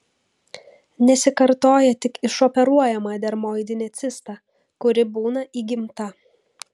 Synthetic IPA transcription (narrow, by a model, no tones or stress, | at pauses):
nʲɛsʲɪkɐɾt̪oːjɛt̪ʲɪkɪʃɔpʲɛɾuɔjɛmɑːd̪ʲɛɾmoːjɪd̪ʲɪnʲɛt̪sʲɪst̪ɑ | kʊɾʲɪbuːnɐʔiːɡʲɪmt̪ɐ